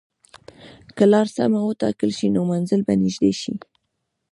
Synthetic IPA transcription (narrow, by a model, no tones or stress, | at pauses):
kəlɑɾsa̰mawət̪ɑ̰kəlʃinomanzəlbanɪʒd̪eʃḭ